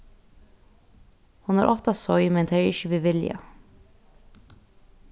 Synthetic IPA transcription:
hʊnɑːɾʔɔft̪ɑsɔʏmɛnd̪ʰeːɹɪçəʋɪʋɪljɑ̰

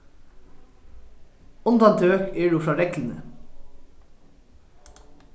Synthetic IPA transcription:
ʊnd̪ɑnt̪ʰːøːkeːɖuːfɾɑːɾɛklnə̰

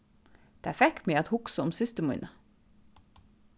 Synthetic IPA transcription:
d̪̥æːfɛkmiːɑt̪hʊksəɔmsɪst̪əmʉ̰nʔə

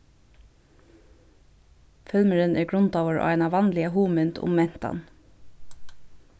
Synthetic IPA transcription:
fœlməɹənʔæːɡɹʊnt̪ɑːʋəɹo̰ːæɪnɑʋɑnlɪəhuːmʉnt̪ʰʊ̰mɛnt̪ɑ̰n

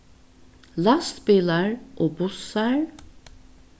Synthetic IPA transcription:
lɑst̪pɪləɹʔoːbʊsəɹ

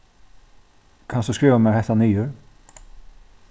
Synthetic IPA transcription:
kʰansɔskɾɪːvamɛɾhɛht̪aniːjʏɾ

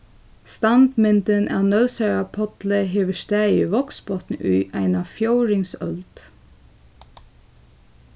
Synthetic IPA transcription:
st̪ɑnd̪mɪnt̪ənʔæ̰ːnœlsœɹapʰɔt̪ləɦeːʋəʃt̪æːəʋɔksbɔt̪nəʔʉːʔæɪnɑfjoʊɹɪŋsœ̰lt̪

